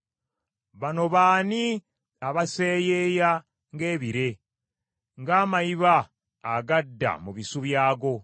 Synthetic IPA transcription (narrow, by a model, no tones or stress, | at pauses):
βano̞βaːni | aβase̞ːjeːja | ŋɡe̞ːβiɾe̞ | ŋɡaːmajiβaː | ɡadːa̰muβisuβjaːɡo̞